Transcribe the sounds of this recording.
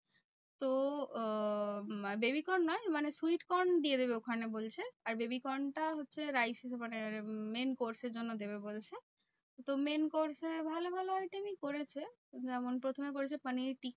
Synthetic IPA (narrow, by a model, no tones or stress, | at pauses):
t̪o | bebikɔnːɔjmanesuiʈkɔɾɳɖied̪ebeokʰanebolt͡ɕʰeaɾbebikɔɳʈaɦotːɕʰeɾajsemanemenkoɾseɾd͡ʑonːod̪eβebolt͡ɕʰe | t̪omenkoɾsebʱalobʱalojt̪inikoɾet͡ɕʰe | d͡ʑɛmonpɾot̪ʰomekoɾet͡ɕʰepaniʈik̚